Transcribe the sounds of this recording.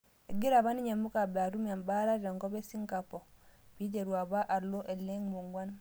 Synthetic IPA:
e˨ɡi˦ɾa˨βa˦ni˦ɲe˨mu˦ka˨bɛ˨a˨ɾu˦mi˨a˨mba˦ɾa˦ɾɾa˨ŋkɔ˦bɛ˦si˦ŋka˨pɔ˨pi˦t̬e˨ɾwa˨ba˦ʔa˨ɾlo˦ʔɛ˨lːɛ˦ŋmo˨ŋɡwa˦n

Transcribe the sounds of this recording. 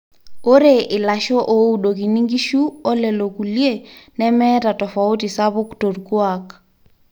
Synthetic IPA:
o˦ɾe˨ʔɪ˨la˨ʃɔ˦ʔo˦u˦ɗo˨k̬i˨ni˦ŋɡi˦ʃu˦ɔ˦lɛ˨lo˨ku˨lje˦nɛ˦mɛ˦ta˨tɔ˨fa˨u˦ti˨sa˦βʊ˦kto˨ɾkwa˦k

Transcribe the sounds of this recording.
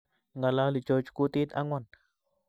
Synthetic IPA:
ŋɡa˨la˧li˨t͡ʃo˧t͡ʃku˧t̪i˦t̪a˦ŋwa˦˨n

